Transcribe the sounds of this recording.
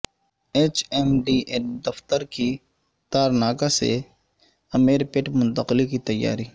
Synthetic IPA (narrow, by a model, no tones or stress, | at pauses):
eːt͡ʃɛːmɖiːʔed̪ɐft̪əɾki | t̪aːɾnaːkasḛ | ɐmeːɾpeːʈmʊ̃nt̪əqlikit̪ɐjːa̰ːɾiː